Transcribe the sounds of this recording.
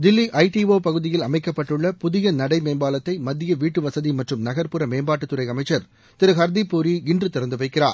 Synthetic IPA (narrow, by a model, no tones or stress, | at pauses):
d̪ɪlːiʔɐɪʈiʋoːpɐɣɯðɪjɪlɐmɐɪkːɐpːɐʈːɯɭːɐpʊðɪjɐnɐɽɐɪmeːmbaːlɐt̪ːɐɪmɐðːɪjɐʋiːʈːɯʋɐsɐðimɐʈrɯmnɐɣɐɾpɯɾɐmeːmbaːʈːɯt̪ːɯɾɐɪɐmɐɪt͡ʃːɐɾ | t̪ɪɾɯɦɐɾd̪ipːuːɾiɡɪndrɯt̪ɪɾɐnd̪ɯʋɐɪkːɪra̰ːɾ